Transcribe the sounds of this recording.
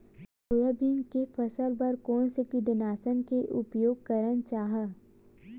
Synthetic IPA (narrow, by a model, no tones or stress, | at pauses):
s | oːjəbinkefɐsəlbɐɾkɔːnsekiɖɪnaːsənkeʔʊpjoːɡ̚kəɾənt͡ʃaːɦə